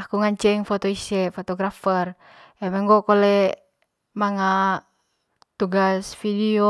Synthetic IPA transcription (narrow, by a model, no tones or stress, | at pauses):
akuŋaɲt͡ʃɛŋfɔt̪ɔisɛfɔt̪ɔɡɾafɛr | ɛmɛŋɡɔkɔlɛ | maŋa | t̪uɡasfidio